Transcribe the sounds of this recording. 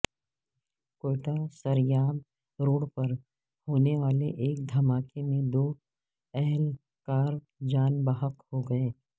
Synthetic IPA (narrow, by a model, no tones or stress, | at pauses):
koːɪʈasɐɾjaːb̪̚ | ɾoːɽpɐɾ | hoːneʋaːleʔeːk̚d̪ʱɐmaːkemẽd̪oː | ɛɦɛl | kaːɾ | d͡ʒaːnbaɦəkhoɡɐeː